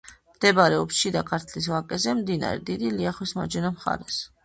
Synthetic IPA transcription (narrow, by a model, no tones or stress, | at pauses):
md̪̥ɛbaɾɛɔpsʃid̪akʰaɾt̪ʰlis̬lˠakʼɛzɛmd̪ina̰ɾɛ̰d̪id̪iliaχwisma̰d͡ʒɛnamχa̰ɾɛs